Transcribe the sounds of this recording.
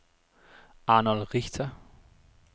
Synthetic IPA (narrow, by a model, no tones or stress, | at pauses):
ʔaːnɔlʁɪçtʰɐ